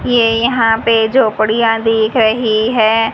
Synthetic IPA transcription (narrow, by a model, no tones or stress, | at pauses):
jeːjɐɦãped͡ʒoːpəɽijãd̪eːkʰɾəɦiɦɛː